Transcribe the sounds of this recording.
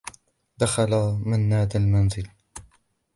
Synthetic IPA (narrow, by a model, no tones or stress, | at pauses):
d̪axalamanːaːd̪almanzɪl